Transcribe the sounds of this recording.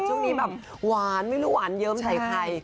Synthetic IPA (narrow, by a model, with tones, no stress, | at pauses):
t͡ɕʰu˥˩ŋniː˦˥bɛː˨˩p̚ | waː˨˩˦nma˥˩jɾuː˦˥waː˨˩˦njɤː˦˥mt͡ɕa˨˩jt̪ʰa˧j